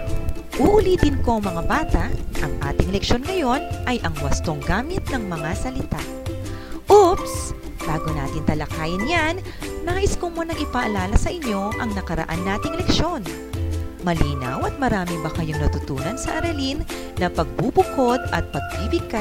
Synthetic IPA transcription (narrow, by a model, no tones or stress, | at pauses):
ʔuʔlid̪ɪnko̞ŋmɐŋabaːt̪ɐʔʔɐŋʔa̰ːt̪ɪŋlɛkʃo̞nŋɐjo̞nʔɐjʔɐŋwɐst̪o̞ŋɡaːmɪt̪̚nɐŋmɐŋasɐlɪt̪aʔ | ʔups | b̥aːɡo̞na̰ːt̪ɪnt̪ɐlɐkaːjɪnjanː | aːʔɪskomunɐŋɪpɐʔɐlaːlɐsɐʔɪɲjo̞ʔɐŋnɐkɐɾɐ̰ʔanːaːt̪ɪŋlɛkʃo̞n | mɐliːnɐ̰wɐt̪̚mɐɾaːmɪbɐkɐjoŋnɐt̪ʊt̪uːnɐnsɐʔɐɾɐlinː | ɐpɐɡ̚bubʊko̞d̪ɐ̰t̪̚pɐɡ̚biːbɪɡ̚kːa